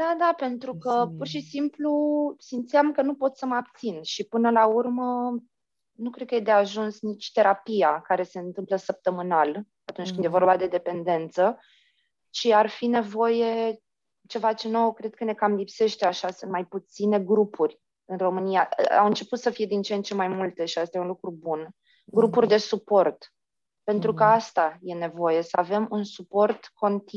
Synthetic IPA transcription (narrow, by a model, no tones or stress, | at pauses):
d̪ad̪ape̞nt̪ɾukəpurʃisimplusimt̪sijamkənupo̞t̪səməab̚t̪sinʃipɨnəlaurmə | nukɾe̞d̪̚kəjed̪e̞aʒunsnit͡ʃʲt̪e̞ɾapijakaɾe̞se̞ɨnt̪ɨmpləsəp̚t̪əmɨnal | at̪unt͡ʃkɨnd̪jevo̞rbad̪e̞d̪e̞pe̞nd̪e̞nt̪sə | t͡ʃiarfine̞vo̞je̞ | t͡ʃe̞vat͡ʃe̞no̞wkɾe̞d̪̥̚kəne̞kamlipse̞ʃt̪eaʃasɨnmajput̪sine̞ɡɾupʰurʲ | ɨnro̞mɨnijaa̰wɨnt͡ʃe̞put̪səfije̞d̪int͡ʃeent͡ʃe̞majmult̪e̞ʃiast̪ajeunlukɾubun | ɡɾupurʲd̪e̞supo̞rt̪ | pe̞nt̪ɾukəast̪aje̞ne̞vo̞je̞səave̞munsupo̞rt̪ko̞nt̪i